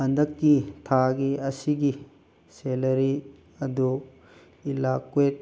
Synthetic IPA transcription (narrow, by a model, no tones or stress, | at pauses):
ɐnd̪ɐkːit̪ʰaɡiɐsiɡi | selɐɾi | ɐd̪u | ilakwet̚